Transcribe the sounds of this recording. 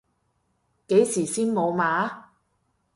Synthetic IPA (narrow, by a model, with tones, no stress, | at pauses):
ke˨˥jsiː˨˩siː˥nmo˨˧wmaː˨˥˦